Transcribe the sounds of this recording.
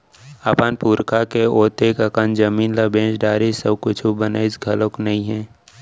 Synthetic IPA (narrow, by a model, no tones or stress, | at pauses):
aːpanpuːɾkʰakeoːt̪ekəkənd͡ʒəmiːnlabẽːd͡ʒɖaːɾisəbkʊt͡ʃʰubənaisɡʱɐlõknɐɦĩɦɛ̃ː